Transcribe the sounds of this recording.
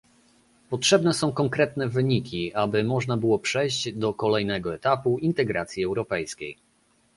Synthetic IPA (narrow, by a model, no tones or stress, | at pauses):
pɔtʂɛbnɛsɔ̃w̃kɔŋkɾɛt̪nɛvɘɲikʲiabɘmɔʐnabɘwɔpʂɛjʑd͡ʑd̪ɔkɔlɛjnɛɡɔɛt̪apuint̪ɛɡɾat̪sʲjiɛwɾɔpɛjskʲej